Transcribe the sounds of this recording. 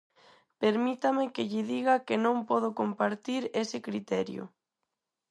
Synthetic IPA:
peɾmit̪amɪkɪʎɪðiɣakenõŋpɔð̞okompaɾt̪iɾesɪkɾit̪ɛɾjʊ̰

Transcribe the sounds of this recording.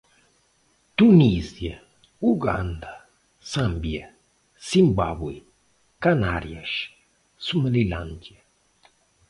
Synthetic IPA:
t̪unizia | uɡa̰nd̪a | sambja | simbabwi | kanaɾjaʃ | suməliland͡ʒ̪ja

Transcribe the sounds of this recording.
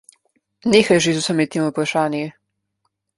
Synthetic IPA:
nixajʒizusamit̪imopɾaʃaːnji

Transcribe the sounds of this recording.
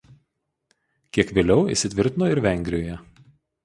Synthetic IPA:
kʲiɛkʋʲeːlʲɛʊḭˑʃsʲɪt̪ʲʋʲɪɾʲt̪ʲɪnoːɪɾʋʲɛŋʲɡʲɾʲɪjoːjɛ

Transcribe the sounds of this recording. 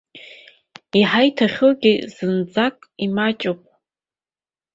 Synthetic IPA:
iħajtʰaχʲɨlɡʲiz̥ɨnd͡zakʼimat͡ʃʼopʼ

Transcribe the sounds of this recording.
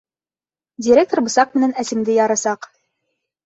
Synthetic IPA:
dʲɪɾʲek̚t̪orbɤ̆sɑq̚mɘ̆nænæsɘ̆md̪ɘjɑɾɑsɑq

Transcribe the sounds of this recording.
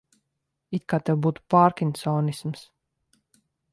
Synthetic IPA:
it̪̚kaːt̪ɛwbuːt̪u̥paːɾkʲinsɔːnisms

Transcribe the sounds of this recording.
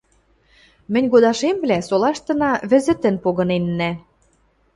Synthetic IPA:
mɘ̆nʲɣod̪ɑʃemβlæsolɑʃt̪ɤ̆nɑβɘ̆zɘ̆t̪ə̆npoɣɤ̆nenːæ

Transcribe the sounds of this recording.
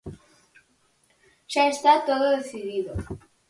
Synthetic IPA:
ʒ̥aest̪at̪oðoðeθiðiðo

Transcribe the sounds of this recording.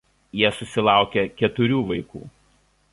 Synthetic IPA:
jiɛsʊsʲɪlˠɑˑʊkʲɛkʲɛt̪ʊɾʲuːʋɐɪkṵː

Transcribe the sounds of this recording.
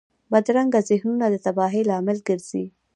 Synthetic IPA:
bad̪ɾaŋɡazɪhnunad̪ət̪abɑɦilɑmɪlɡəɾz̥i

